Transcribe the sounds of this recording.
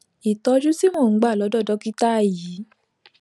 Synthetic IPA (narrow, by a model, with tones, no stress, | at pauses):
i˨tɔ˧˦d͡ʒu˦si˦m̃ɔ̃˦˨ŋ̩˨˦ɡ͡ba˦˨lɔ˨˧˦dɔ˦˨dɔ˧ki˦ta˦a˦˨ji˨˦